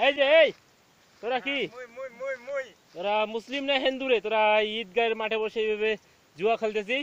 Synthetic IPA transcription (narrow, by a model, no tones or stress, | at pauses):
ed͡ʒeej | t̪oɾaki | t̪oɾamʊslimneɦend̪uɾet̪oɾait̪̚ɡajɾmaʈʰebɔʃejbebe | d͡ʒuakʰəld̪es̬i